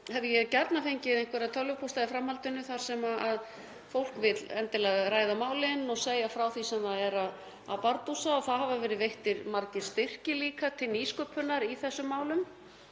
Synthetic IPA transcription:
hɛvðɪjɛcaɾt̪nafejɲcɪðejŋkʰvɛɾaðt̪ʰœlʏpʰɔst̪aðɪfɾamhalt̪ʏnːʏθaɾ̥sɛmaað | fowl̥kvɪt̪lɛnt̪ɪlaɣɾaːjðamaːwlɪnːɔɣseːjafɾaːwθisɛmθaðɛɾað | a̰paɾt̪usaɔθaðhavavɛːɾɪðvejht̪ɪɾmaɾcɪ̥st̪ɪr̥cɪliːkat̪ʰɪlniːskœpʰʏnaɾiθɛsːʏmːaːwlʏm

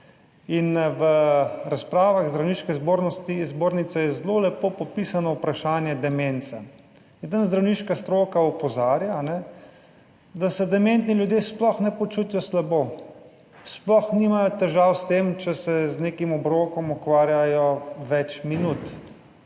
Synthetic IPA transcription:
inʋəɾaspɾaːʋaɣzd̪ɾawniːʃkɛzboːɾnɔst̪izboːɾnit̪sɛjɛzlolɛpoːpɔpisanɔwpɾaʃaːnjɛd̪ɛment̪sa | jɛd̪ənzd̪ɾawniːʃkast̪ɾoːkaupɔzaːɾjaːnɛ | d̪asɛd̪ɛmẽnt̪nilʲjud̪jesplɔxnɛpɔt͡ʃut̪ijɔslaboː | splɔxnimajɔt̪ɛʒawst̪emt͡ʃɛsɛzneːkimɔbɾokɔmukʋaːɾjajɔʋɛt͡ʃminut̪

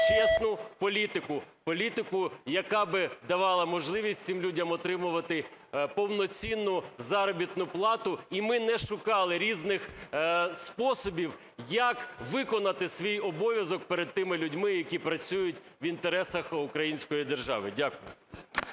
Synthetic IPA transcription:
t͡ʃɛsnʊpɔlʲit̪ɪkʊpɔlʲit̪ɪkʊjɐkɑbɪd̪ɐʋɑlˠɐmɔʒlˠɪʋʲisʲtʲsɪmlʲudʲɐmɔt̪ɾɪmʊʋɐt̪ɪpɔwnɔt͡sʲinːʊzɑɾɔbʲit̪nʊplˠɑt̪ʊimɪnɛʃʊkɑlˠɪɾʲiznɪx | spɔsɔbʲiw | jɐkʋɪkɔnɐt̪ɪsʋʲijɔbɔʋʲjɐzɔk̚peɾed̪̚t̪ɪmɪlʲʊdʲmɪjɐkʲipɾɐt͡sʲujʊtʲʋint̪eɾɛsɐxʊkɾɐjinʲsʲkɔjid̪erʒɑ̰ʋɪdʲakʊjʊ̰

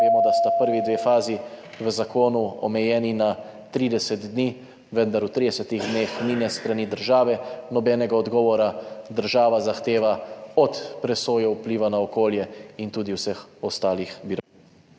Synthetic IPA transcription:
ʋeːmɔd̪ast̪apəɾʋid̪ʋeːfaːzi | ʋəzakoːnuɔ̰mɛjɛːnina | t̪ɾiːd̪ɛsɛt̪d̪niː | ʋənd̪aɾut̪ɾiːd̪ɛsɛt̪iɣd̪neːxninɛst̪ɾanid̪əɾʒaːʋɛnɔbɛnɛɡaɔd̪ɡɔːʋɔɾad̪əɾʒaːʋazaxt̪eːʋaɔt̪pɾɛsoːjɛupliːʋanaɔkoːljɛint̪uːd̪iwsəxɔst̪aːlixbiɾ

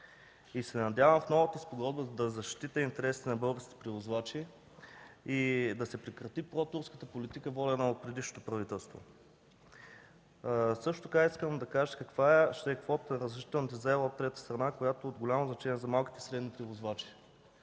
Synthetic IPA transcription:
isɛnɐd̪javəmfnɔvət̪əspoɡɔd̪bəd̪ɐzɐʃt̪it̪əint̪ɛɾɛsi̥t̪ɛnɐbɤlˠɡəɾskʲit̪ɛ̥pɾivozvat͡ʃi | id̪ɐsɛpɾɛkɾɐt̪ipɾɔt̪uɾskə̥t̪əpolit̪ikəvɔlʲɛnəot̪̚pɾɛd̪iʃno̥t̪opɾɐvit̪ɛlˠst̪vo̰ | sɤʃt̪ot̪okaiskəmd̪ɐkaʒəkɐkvaɛʃt̪ɛːkvɔt̪ənɐɾəzɾɛʃit̪ɛlˠnət̪əzɛvˠəot̪ːɾɛt̪ə̥st̪ɾɐnakojat̪ood̪ɡolʲamoznɐt͡ʃɛniɛzɐmalˠki̥t̪ɛsɾɛd̪nipɾivozvat͡ʃi̥

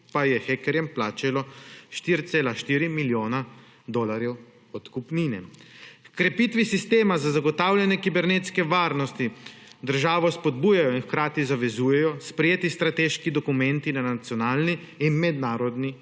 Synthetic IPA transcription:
pajɛxɛkɛɾjɛmplaːt͡ʃɛlɔʃt̪iːɾt̪seːlaʃt̪iːɾimiljoːna | d̪ɔlaɾjɛw | ɔt̪kupninɛkkɾɛpit̪ʋisist̪eːmazazaɡɔt̪aːwlʲjɛnɛkibɛɾnet̪skɛʋaːɾnɔst̪id̪əɾʒaːʋɔspɔd̪buːjajɔinxkɾaːt̪izaʋɛzuːjɛjɔspɾɛjeːt̪ist̪ɾat̪eːʃkid̪ɔkumɛ̃nt̪inanat̪sjɔnaːlniː | nmɛd̪naːɾɔd̪ni

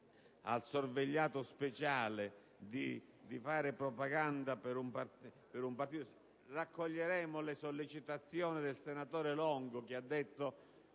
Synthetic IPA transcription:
a̰lsorveʎːaːt̪ʊspet͡ʃaːlɪ | d̪i | d̪ifaːɾɪpɾɔpaɡand̪apɪɾumpart | pɪɾumpart̪it̪o | rakːoʎːeɾɛːmʊlɪsolːit͡ʃit̪at̪sːjɔːnɪd̪ɪlsenat̪ɔːɾɪlɔŋɡʊk̟ɪad̪ːet̪ːo

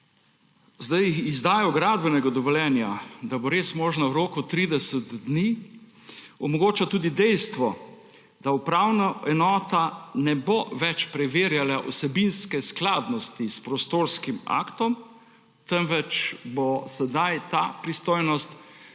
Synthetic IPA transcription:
zd̪ajxizd̪aːjɔɡɾaːd̪bɛnɛɡad̪ɔʋɔljɛːnjad̪abɔɾeːsmɔːʒnawɾoːkut̪ɾiːd̪ɛsəd̪d̪ni | ɔmɔɡoːt͡ʃat̪uːd̪id̪ɛjst̪ʋɔ | d̪̥aupɾaːwnaʔɛnɔːt̪anɛboʋɛt͡ʃpɾɛʋeːɾjalaʔɔsɛbinskɛsklaːd̪nɔst̪ispɾɔst̪oːɾskima̰kt̪ɔm | t̪ɛmʋɛt͡ʃbosɛd̪ajt̪apɾist̪oːjnɔst̪

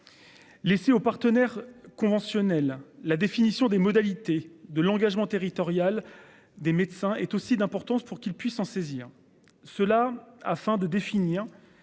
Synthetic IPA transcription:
leseopaʁt̪ənɛʁkɔ̃vɑ̃sjɔnɛlːad̪efinisjɔ̃d̪emɔd̪alit̪ed̪əlɑ̃ɡaʒmɑ̃t̪eʁit̪ɔʁjal | d̪emet̪sɛ̃ɛt̪osid̪ɛ̃pɔʁt̪ɑ̃spuʁkʲilpɥisɑ̃seziːʁ | səlaafɛ̃d̪əd̪efiniːʁ

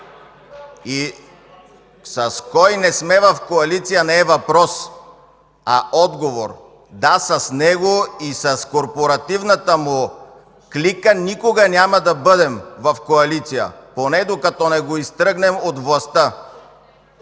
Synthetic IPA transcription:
i | sɐskɔjnɛsmɛvɐfkoɐlit̪sijənɛːvɐpɾɔs | aʔɔd̪ɡovoɾ | d̪asɐsnɛɡoisɐskoɾpoɾɐt̪ivnɐt̪əmʊ | klikənikoɡɐnʲamɐd̪ɐbɤd̪ɛmvɐfkoɐlit̪sijə̰ponɛd̪okɐt̪ɔnɛɡoist̪ɾɤɡnɛmot̪vlˠɐst̪ə

